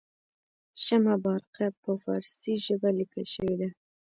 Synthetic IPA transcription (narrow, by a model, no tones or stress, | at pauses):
ʃamabɑɾqapəfɑ̰ɾsiʒəbalikəlʃəwed̪a